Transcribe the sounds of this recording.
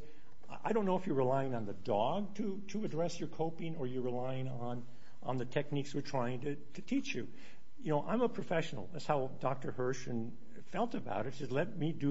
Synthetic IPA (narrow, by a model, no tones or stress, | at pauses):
ʔa̰ɪɾõʊ̃nːoʊəfjə˞ɹilaɪɪ̃ŋə̃nðɨdɔɡ̚tʰɨ | ɾɨɨdɹɛsjə˞kʰoʊpɪ̃ŋə˞jə˞ɹilaɪɪ̃ŋə̃n | ʔə̰̃nðɨtʰɛk̚nikswɨɹtʰɹ̥aɪɪ̃ŋtɨ | tʰɨtʰit͡ʃjʉ | jɨnoʊʔã̰ɪ̃məpʰɹ̥ɨfɛʃnl̩ˠðætshaʊdɑk̚tə˞hɜ˞ʃɨ̃n | fɛlˠtɨba̰ʊɾɨtsɛzlɛt̚midɨ